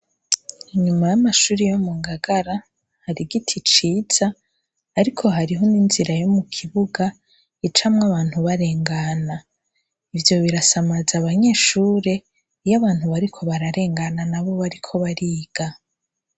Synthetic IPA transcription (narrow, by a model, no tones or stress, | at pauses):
iɲumajamaʃuːɾijo̞muŋɡaɡaɾa | haɾiɡitʰit͡ʃiːz̥aː | ɾikʰo̞ɦaɾiɦo̞ninziɾajomukʰiβuɡa | it͡ʃamŋaβaːn̥huβaɾe̞ːŋɡana | ivjo̞βiɾasamazaβaɲe̞ːʃuːɾe̞ | jaβaːn̥huβaɾikʰo̞βaɾaɾe̞ːŋɡananaβo̞βaɾikʰo̞βaɾiːɡ̥a